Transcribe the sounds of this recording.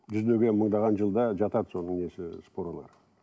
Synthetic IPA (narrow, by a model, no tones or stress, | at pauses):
ʒʏzd̪eɡʲeməɴd̪ɑʁɑnʒəlˠd̪ɑʒɑt̪ɑd̪so̞nəɴne̞sɪspo̞ɾolˠɑ̰ɾ